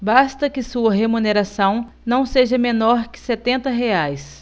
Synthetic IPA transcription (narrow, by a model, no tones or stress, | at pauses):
bast̪ɐkɪsuɐɦemuneɾasɐ̃w̃ | nɐ̃w̃seʒɐmẽnɔɾkɪ̥set̪ẽnt̪ɐɦeajs